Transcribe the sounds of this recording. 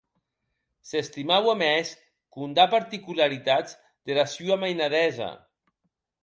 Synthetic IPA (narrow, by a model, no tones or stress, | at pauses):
sest̪imawamɛs | kund̪apaɾt̪ikulaɾit̪ad͡z | d̪elasuamajnaðɛza̰